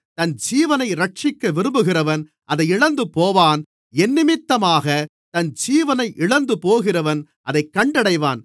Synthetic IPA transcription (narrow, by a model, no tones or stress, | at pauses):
t̪ɐnd͡ʒiːʋɐnɐɪɾɐʈ̚t͡ʃɪkːɐʋɪɾɯmbɯɣɪrɐʋɐn | ʔɐðɐɪɪɻɐnd̪ɯpoːʋaːn | ɛnːɪmɪt̪ːɐmaːɣɐ | t̪ɐnd͡ʒiːʋɐnɐɪʔɪɭɐnd̪ɯpoːɣɪrɐʋɐn | ʔɐðɐɪkːɐɳɖɐɽɐɪʋa̰ːn